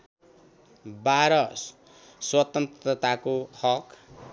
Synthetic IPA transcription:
baɾʌ | swʌt̪ʌnt̪rʌt̪akohʌk

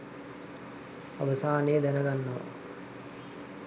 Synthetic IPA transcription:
ɐ̰ʋɐsaːneːd̪ɛnɐɡanːo̰ː

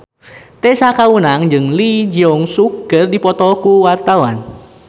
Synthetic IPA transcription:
t̪ɛsakaunaŋd͡ʒɨŋlid͡ʒiɔŋsukːɨrdipɔt̪ɔkuwart̪awa̰n

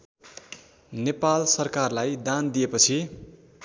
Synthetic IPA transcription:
nepalsʌrkarlajd̪and̪ijepʌt͡sʰi

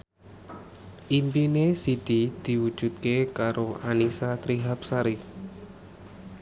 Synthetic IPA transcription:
ʔimpinesid̪̥id̪̥i̤wud̥ʒ̥ṳt̪̚kekaɾoanisat̪ɾiɦap̚saɾi

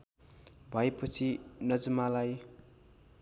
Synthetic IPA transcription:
bʱʌepʌt͡sʰinʌd͡zumalaj

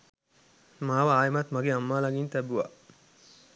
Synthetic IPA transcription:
maːʋɐaːjemɐt̪mɐɡeɐmːaːlɐɡint̪æbuʋa̰

